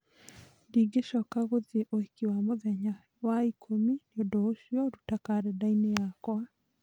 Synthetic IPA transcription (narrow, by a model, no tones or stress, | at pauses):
diɡeʃɔkaɣoðieʔoikiwamoðɛɲa | waikʰomineodɔoʃiɔɾutakaɾɛdainejakwa